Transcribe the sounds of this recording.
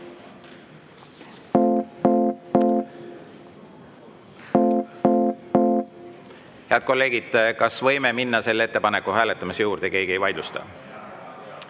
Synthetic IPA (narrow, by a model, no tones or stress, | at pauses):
heɑd̪̚ko̞lːe̞ːɡ̥id̪̥kɑsvɤ̞jmeminːɑse̞lːee̞t̪ːe̞pɑne̞kːuɦæːlet̪ːˑɑmisejuːɾd̪̥e̞ke̞ːɡ̥ie̞jvɑjd̪lust̪ɑ̰